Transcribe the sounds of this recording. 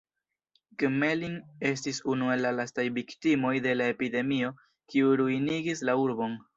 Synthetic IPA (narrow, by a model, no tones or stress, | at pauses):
ɡeme̞liŋe̞s̬tisunue̞lːalastajviktimo̞jde̞lae̞pide̞mio̞ | kiuɾuiniɡislauɾbo̞n